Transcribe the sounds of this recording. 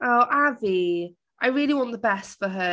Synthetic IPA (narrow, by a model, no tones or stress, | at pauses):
ʔoʊʔavi | ʔaɪɹɪəliwɒ̃nðəbɛstfəɦə